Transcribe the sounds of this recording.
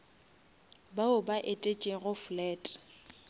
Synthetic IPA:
baʊbaʔetʼet͡ʃʼɪɣʊflɛːtʼ

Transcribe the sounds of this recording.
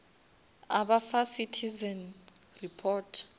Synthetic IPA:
abafasitʰizɛn | ripʰɔtʰ

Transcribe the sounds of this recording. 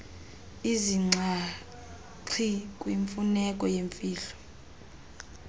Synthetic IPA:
iziŋ͡ǀʱa | ǀʰikʼwiɱfunɛkʼɔjeɱfiːlɔ

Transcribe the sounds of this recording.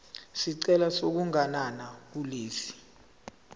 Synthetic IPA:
siǀɛlasok̬uŋananak̬uleːsi̥

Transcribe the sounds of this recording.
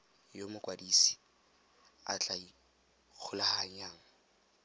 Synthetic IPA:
jomʊkʼwadiːsi̥ | a̰t͡ɬʼai | k͡xʰʊlahaɲjaːŋ̩

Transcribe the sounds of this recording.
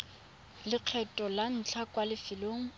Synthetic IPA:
lɪq͡χʰɛtʼɔlan̩t͡ɬʰakwalɪfɪloːŋ̩

